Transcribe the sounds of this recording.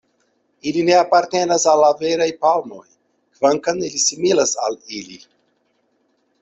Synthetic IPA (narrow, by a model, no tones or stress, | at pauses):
iline̞apaɾte̞nasalːaveɾajpalmo̞̰j | kvaŋkanilisimilasalili